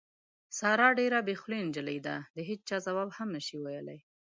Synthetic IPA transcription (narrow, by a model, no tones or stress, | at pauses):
sɑɾɑɖeɾabexlend͡ʒələjd̪a̰d̪əɦet͡ʃ̚t͡ʃɑzawɑbhamnəʃiwajəla̰j